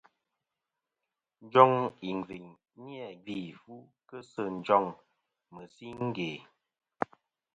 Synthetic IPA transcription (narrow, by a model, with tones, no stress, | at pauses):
n̩˦d͡ʒɔ˦ŋi˨ŋ˨vi˨ɲ | njɛ˨ɡi˦˨fu˦kə˦sə˦˨n˨˦d͡ʒɔ˦˨ŋ | mə˨si˦ŋ̩˦ɡe˨